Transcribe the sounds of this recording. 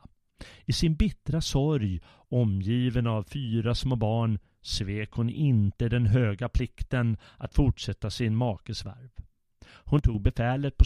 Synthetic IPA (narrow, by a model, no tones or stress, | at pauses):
ɪsɪnbɪt̪ɾasɔɾj | ɔmjiːvənavfyːɾasmoːbɑːɳ | sveːkhʊnɪnt̪əd̪ɛnɦøːɡapʰlɪkt̪ənʔat̪fʊʈʂɛt̪ːasɪnmɑːkəsva̰ɾv | hʊnt̪ʰuːɡ̚bɛfɛːlət̪̚pʰɔ